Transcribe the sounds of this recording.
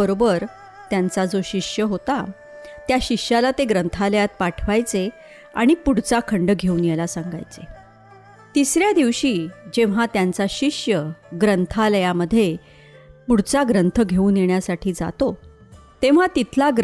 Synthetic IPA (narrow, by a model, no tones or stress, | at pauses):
əɾobəɾ | t̪jant͡sad͡zoɕiʂjəɦot̪a | t̪jaɕiʂjalat̪eɡɾənt̪ʰaləjat̪̚paʈʰʋajt͡se | a̰ɽ̃ipuɽ̤t͡sakʰəɳɖəɡʱeuːnjelasãŋɡa̰jt͡se | t̪isɾjad̪iʋɕiːd͡ʑeʋ̤at̪jant͡saɕiʂjəɡɾənt̪ʰaləjaməd̪ʱːje | puɽ̤t͡saɡɾənt̪ʰəɡʱeuːnjeɳjasaʈʰiːd͡za̰t̪o | t̪eʋ̤at̪it̪ʰlaɡ